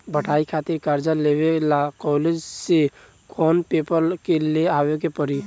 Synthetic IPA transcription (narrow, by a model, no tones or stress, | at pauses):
bʱəʈʰaːikʰaːt̪ɪɾkaɾd͡ʒaleʋelakɔːled͡ʒse | kʰɔːnpepəɾkeleaːwek̬epəɾi